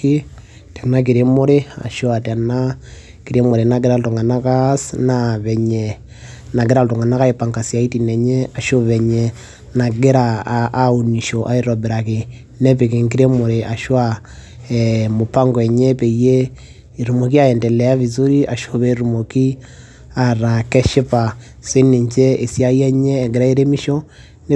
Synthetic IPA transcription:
i˦ | ta˨na˦k̬i˨ɾe˦mo˦ɾe˦a̰˨ʃwa˨ta˨na˦ | ki˨ɾe˦mo˨ɾe˨na˦ɡ̬e˦ɾa˦lo˨to˨ŋa˨na˦ka˦snaβɛ˨ɲɛ˨ | na˨k̬e˦ɾa˦loto˨ŋa˨na˦ka˦e˨pa˨ŋka˨sija˨i˦ti˨nɛ˨ɲɛ˦a˨ʃo˦βɛ˨ɲɛ˨ | na˨ɡe˦ɾaː˨˦o˨ni˨ʃo˨ʔa˦e˦ɾɔ˨βe˨ɾa˨ke˨ | nɛ˦pe˨ke˨ŋɡi˦ɾe˦mo˨ɾe˨ʔa˨ʃwa˦ | mo˨pa˦ŋɡwɛ˨ɲɛ˦pe˨jeː˦˨ | ɾu˨mo˨ki˦a˦jɛ˨ndɛ˨lɛ˨a˦βi˨zu˦ɾi˦ʔa˨ʃo˨βe˦ɾu˨mo˨ki˦ | a˨ɾa˨kɛ˦ʃe˦pa˨ | se˦ne˨ɲt͡ʃɛ˦e˨sja˦iɛ˦ɲɛː˦˨ɡe˨ɾa˦e˦ɾe˦mi˦ʃo˦ | ne˦

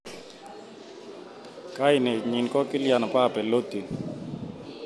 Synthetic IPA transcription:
ka˦i˨nɛ˨ɲi˨nkɔ˦kɪ˦lja˨nɔ˨pa˦˨pɛ˨lo˦t̪i˨

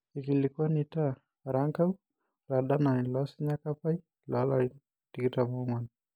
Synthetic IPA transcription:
i˨ki˨likwɔ˦nita | ɾa˦ŋka˦u˦ | la˨da˦na˨ni˨lɔ˦si˦ɲa˦kapa˦i˦ | lɔ˦lai | tiki˦tamɔŋan

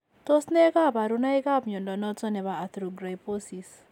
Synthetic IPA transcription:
to˦snɛ˦ka˦pa˨ɾuna˦i˦ka˦pɲɔ˨ndɔ˨nɔ˦t͡sɔ˦nɛ˨βaː˨t̪ɾu˨ɡɾa˨jpo˦si˨s

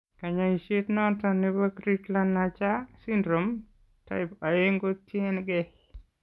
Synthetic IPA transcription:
ka˨ɲa˨i˨ʃe˦tnɔ˦ntɔ˨ni˦ba˦kɾi˦tla˦nːa˨t͡ʃa˦si˦ndɾo˨m | ta̰˨ɪpa˨e˦ŋɡo˦tje˦nɡɛ

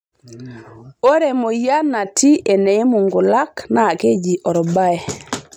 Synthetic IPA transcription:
o˦ɾe˨mo˨ja˦na˨ti˦ʔe˨ne˨e˦mu˨ŋɡu˨la˦kna˦˨ke˦d͡ʒi˨ʔɔ˨ɾɔ˨ba˦e˨

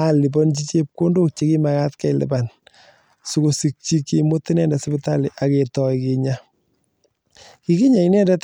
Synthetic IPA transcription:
a˦li˨b̬ɔ˦nt͡ʃi˦t͡ʃe˦p̚ko˦ndo˦k̚t͡ʃe˦ki˦ma˨ka˦tkɛ˦˨lɪ̰˨ba˨n | sʊ˦ko˨si˨k̚t͡ʃi˦kːi˦mo˦tɪ˦nɛ˦˨nda˨sɪ˦bɪ˦ta˦lɪ˨ʔa˨ke˨tɔ˨jkɪ˨ɲa˦ | ki˦ki˦ɲa˨i˦nɛ˦˨ndɛ˦t

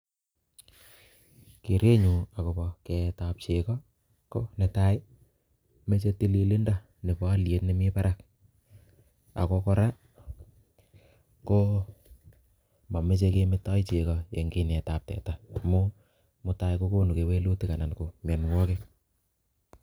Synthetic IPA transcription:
ke˨ɾe˦ɲu˨a˨ko˨pɔ˧ke˨tap̚t͡ʃe˨kɔ˦ | ko˦ne˨ta˦ɪ˦ | me˦t͡ʃe˦ti˦li˦li˦nda˦˨ | ne˨pɔ˦a˦lje˨tne˦mi˦pa˦ɾa˦k̚ | a̰˨ko˧kɔ˦ɾa˦ | ko˦ | ma˨me˦t͡ʃe˧ke˧mɪ˦tɔ˦jt͡ʃe˨kɔje˨ŋɡi˦nɛ˨tap̚tɛ̰˨tamo˦ | mʊ˦ta˦jko˦ko˦nu˨ke˨we˦lu˦ti˦ka˨na˨nko˨mɛ˨nŋwɔ˦ke˦

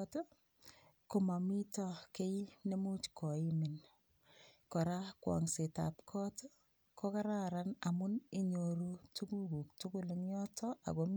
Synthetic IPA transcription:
to˦ | ko˨ma˨mi˦tɔke˦ine˦mu˦t͡ʃkɔ˨i˦mɪ˨n | kɔ˨ɾa˦kwɔ̰˨ŋse˨ta̰˨p̚kʰɔ˦to˦ | kɔ˦ka˦ɾa˦ɾa˦na˨mʊ˦ni˦ɲo˨ɾu˦tu˦ku˦ku˨k̚tu˦kʊ˦˨lɪŋjɔ˦tʰɔ˦ʔa̰˨ko˨m

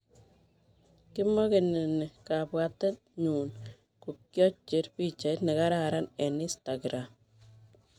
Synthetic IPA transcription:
kɪ˦mo˦ke˨ne˨ne˨ka˨pwa˨tɛ˦t | ɲu˨n | ku˨kjɔ˦t͡ʃːe˨˦ɾpi˦t͡ʃa˨˦tnɪ˨ka˦ɾaɾa˦ne˨nɪ˦sta˨ɡɾa˨m

